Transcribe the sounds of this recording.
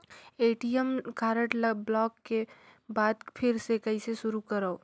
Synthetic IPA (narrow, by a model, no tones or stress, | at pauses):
eːʈiemkaːɾəʈlblɔːkːebaːd̪pʰɪɾsekɐiseʃʊɾukəɾəo